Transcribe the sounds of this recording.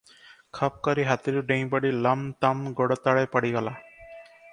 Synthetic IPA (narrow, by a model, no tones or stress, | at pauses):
kʰap̚kɔɾiɦat̪iɾʊɖẽŋ̃j̃bɔɽilamt̪amɡɔɽɔt̪aɽajpaɽiɡɔla